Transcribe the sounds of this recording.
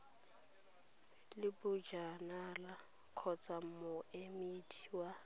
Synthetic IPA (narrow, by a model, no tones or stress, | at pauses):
lɪbʊd͡ʒanala | kʰɔt͡sʰʼam̩mʊemidʰʼi̥wa